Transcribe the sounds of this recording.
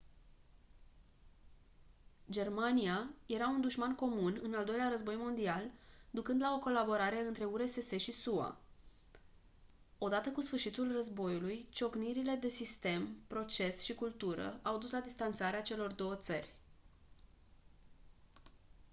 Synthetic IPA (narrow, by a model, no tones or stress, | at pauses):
d͡ʒe̞rmanijaje̞ɾaund̪uʃmanko̞munɨnald̪o̞jleaɾəzbo̞jmo̞nd̪iald̪ukɨnd̪lao̞ko̞labo̞ɾaɾe̞ɨnt̪ɾe̞uɾe̞se̞se̞ʃisua̰ | o̞d̪at̪əkusfɨrʃit̪ulrəzbo̞julujt͡ʃo̞kniɾile̞d̪e̞sist̪e̞mpɾo̞t͡ʃe̞sʃikult̪uɾə̰awd̪uslad̪ist̪ant̪saɾeat͡ʃe̞lo̞rd̪o̞wət̪sərʲ